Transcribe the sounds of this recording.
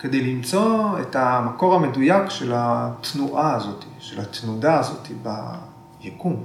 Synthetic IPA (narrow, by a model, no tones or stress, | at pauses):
ke̞de̞jlimt͡so̞ḛtamako̞ʁhame̞dujakʃelat̪nuʔaːzo̞t̪i̥ʃelat̪nudaːzo̞t̪iba̰ | jekum